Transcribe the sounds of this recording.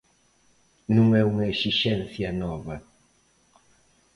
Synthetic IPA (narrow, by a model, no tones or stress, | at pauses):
nũŋɛuŋɐesiʃɛnθjɐnɔvɐ